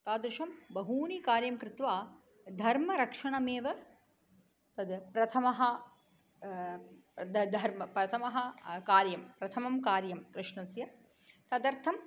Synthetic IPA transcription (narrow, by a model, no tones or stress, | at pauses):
t̪aːd̪ɾɪʃɐmbɐɦuːnikaːɾjɐmkɾɪt̪ʋaː | d̪ʱɐɾmɐɾɐkʂɐɳɐmeːʋɐ | t̪ɐd̪pɾɐt̪ʰɐmɐɦɐ | d̪d̪ʱɐɾmɐpɾɐt̪ʰɐmɐɦɐ̆kaːɾjɐmpɾɐt̪ʰɐmɐmkaːɾjɐmkɾɪʂɳɐsjɐ | t̪ɐd̪ɐɾt̪ʰɐm